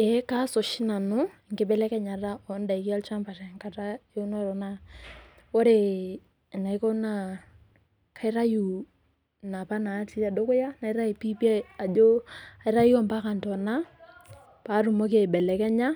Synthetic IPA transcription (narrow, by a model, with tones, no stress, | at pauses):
e˨˦ka˦so˨ʃi˦na˨nʊ˦ɪ˨ŋɡɪ˦bɛ˦lɛ˦kɛ˦ɲa˨ɾa˦ɔ˨˦n˦da˨i˨ki˦a˦lt͡ʃa˦mpa˨tɛ˨ŋka˦ta˦e˦u˦nɔ˦ɾɔ˨na˦ | wo˦ɾe˨ | na˨i˦ko˦na˨ | ka˨i˦ɾa˦ju˨ | na˨pa˦na˨˦ti˦a˨do˦kʊ˦ja˦na˨i˦ɾa˦i˨pi˦pi˦a˦a˨d͡ʒo˦a˨i˦ɾa˦ji˦ɔ˦mpa˦ka˨ntɔ˨na˦ | pa˨˦ɾu˨mɔ˦k̬e˨bɛ˨lɛ˨kɛ˦ɲa˦